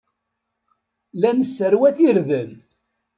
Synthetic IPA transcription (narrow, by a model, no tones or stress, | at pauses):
lænəsːəɾwæθiɾðən